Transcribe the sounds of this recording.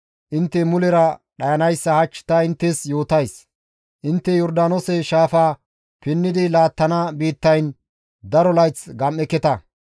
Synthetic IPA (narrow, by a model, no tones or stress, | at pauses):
ʔɪnt̪ːɛmʊlɛɾɐɗɐjɐnɐjsːɐhɐt͡ʃːɪ̥t̪ɐɪnt̪ːɛsjo̞ːt̪ɐjs | ʔɪnt̪ːɛjɔɾd̪aːnɔsɛʃaːfaː | pɪnːɪd̪ɪlaːt̪ːɐnɐbiːt̪ːɐjn | d̪ɐɾɔlɐjt͡sɡɐmɛkːɛt̪ɐ